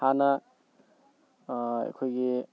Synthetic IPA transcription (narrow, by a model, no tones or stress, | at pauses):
anɐ | ḛkʰojɡi